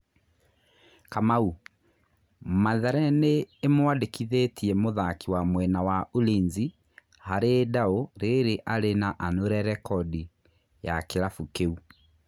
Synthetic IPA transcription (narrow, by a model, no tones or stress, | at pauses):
kamau | maðɛɾɛneːmwadekiðetʰiɛmoðakiwamwɛnawaolinzi | haɾedaoɾeɾeʔaɾenaʔanoɾɛɾɛkɔdi | jakeɾafukeu